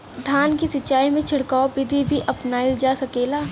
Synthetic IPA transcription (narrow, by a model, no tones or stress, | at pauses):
d̪ʱaːnkisɪt͡ʃːaːimẽt͡ʃʰɪɽkaːopɪd̪ʱibʱiʔɐpnaild͡ʒaːsɐkeːlaː